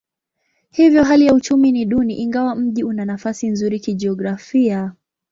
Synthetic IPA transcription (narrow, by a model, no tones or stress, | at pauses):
hivjɔɦalijaut͡ʃuminiɗuniʔiŋɡawam̩ʄiunanafasinzuɾikid͡ʒɛɔɡɾafia